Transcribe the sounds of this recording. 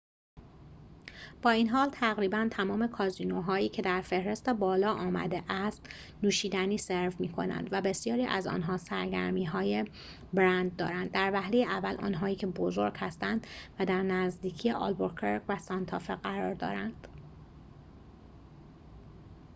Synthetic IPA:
b̥ɒːiːnɦɒːlt̪ʰæɣɾiːbænt̪ʰæmɒːme̞kʰɒːzinoɦɒːiːcʰe̞d̪æɾfe̞hɾe̞st̪ebɒːlɒːʔɒːmæ̰d̪eʔæst̪ | nuːʃiːd̪æniːseɾvmiːkʰo̞̰næ̰nd̪væbe̞sjɒːɾiːʔæ̰zɒ̰ːnɦɒːsæɾɟæ̰ɾmiːɦɒːje | bɾænd̪̚ːɒ̰ːɾænd̪̚ːæɾvæhlejeʔævːælʔɒ̰ːnɦɒːiːcʰe̞bozo̞ɾɟ̥hæst̪ænd̪væd̪æɾnæzd̪iːcʰijeʔɒ̰lboɾkʰeɾɡvæsɒnt̪ʰɒːfeɢæɾɒːɾd̪ɒ̰ːɾænd̪̥

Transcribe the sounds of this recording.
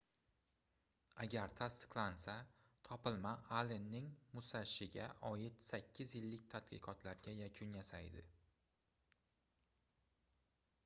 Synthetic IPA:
aɡʲaɾt̪ʰast̪ɪ̥qlˠansa | t̪ʰɒpɪlmaʔalenːɪŋmʊsaʃɪɡʲa̰ʔɒjɪt̪sakʲʰːɪzjɪlːɪk̚ʲt̪ʰat̪qʰɨ̰qʰɒt̪ʰlaɾɡʲajakʲʰʊnjasajd̪ɪ̰

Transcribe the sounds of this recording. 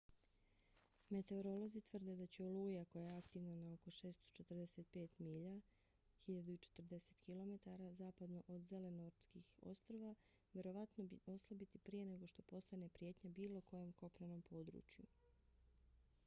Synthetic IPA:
me̞t̪e̞oɾo̞lo̞zit̪ʋr̩d̪e̞d̪at͡ɕeoluːjako̞jaeakt̪iʋnanaoko̞ʃe̞ːst̪o̥t͡ʃe̞t̪r̩d̪eset̪̚pe̞ːt̪miːʎa | xiʎad̪uit͡ʃe̥t̪rd̪e̞se̞̥t̪kilo̞me̞t̪aɾazaːpad̪no̞ʔod̪zele̞noɾt̪skixo̞̰st̪ɾoʋa | ʋʲje̞ɾo̞ʋat̪noo̞slˠabit̪ipɾije̞ne̞ɡo̞ʃt̪o̞po̞st̪ane̞pɾje̞ːt̪ɲabiːlˠo̞ko̞jo̞mko̞pnano̞mpo̞ːd̪ɾṵːt͡ʃju

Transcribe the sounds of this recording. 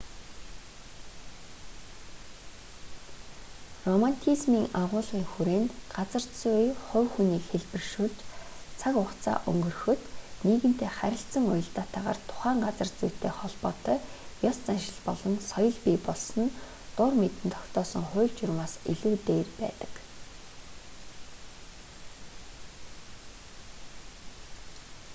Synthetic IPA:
rɔmant̪ʰizmiːŋaʁʊːɮʁiːŋxuɾeːnt̪ɢat͡sə̆rt͡sʊiχʊ̟wxuniːkxeɮpɘ̆rʃuːɮt͡ɕt͡sʰakʊχt͡sʰa̰ːʔɵ̰ŋɡɵ̆rxɵ̆t̪niːɣɘ̆n̥t̪ʰeːχæɾʲɪ̆ɬt͡sə̆ŋʊjɞ̆ɮt̪aːt̪ʰaʁa̰ːrt̪ʰʊ̥χæːɴɢat͡sə̆rt͡sʊjʰt̪ʰeːχɔɮpɔːt̪œːjɔst͡sanʃɪ̆ɮpɔɮɞ̆nsɔjɞ̆ɮpiːpɔɮsɞ̆n | t̪ʊrmet̪ɘ̆nt̪ʰɔ̥kt̪ɔːsɞ̆ŋχʊːkt͡ɕʊrmaːsiɮŭːt̪eːrpæ̰ːt̪ə̥̆k

